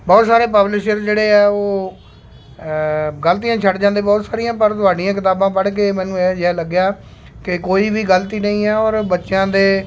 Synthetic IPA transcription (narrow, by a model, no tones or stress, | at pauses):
bɔːt̪saːɾeːpəblɪʃəɾd͡ʒeːɽeːɛːoː | ɡəlt̪̬ijãːt͡ʃʰəɖd͡ʒãːnd̪eːbɔːt̪saːɾɪjãːpəɾt̪ʊaːɖɪjãːkɪt̪aːbãːpəɽk̬eːmɛ̃ːnũːɛd͡ʒɛːləɡjaː | kɪkoːiːbiːɡəlt̪iːnəĩːɛːɔːɾbətːʃjãːd̪eː